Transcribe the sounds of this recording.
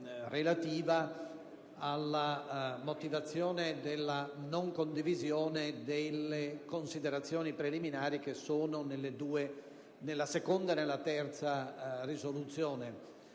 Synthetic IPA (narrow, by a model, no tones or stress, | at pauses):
relat̪iːva | alːamot̪ivat̪sːjɔːned̪elːanoŋkond̪ivizjoːned̪elːekonsid̪eɾat̪sːjoːnipɾeliminaːɾikesoːnonelːed̪uːe | nelːasekond̪anelːat̪ɛrt̪sarizolut̪sjoːne